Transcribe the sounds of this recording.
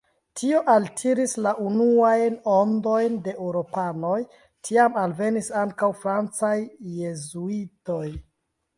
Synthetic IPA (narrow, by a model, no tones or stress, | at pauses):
tʰio̞ʔaltʰiɾislaʔunuajno̞ndo̞jnde̞ʔwɾo̞pano̞j | tʰiamalve̞nisaŋkawfɾant͡sajːe̞zuito̞j